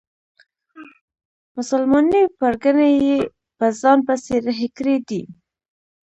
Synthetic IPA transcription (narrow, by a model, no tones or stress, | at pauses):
mʊsalmɑnipaɾɡənaje | pəzɑnpəseɾɦɪkɾed̪i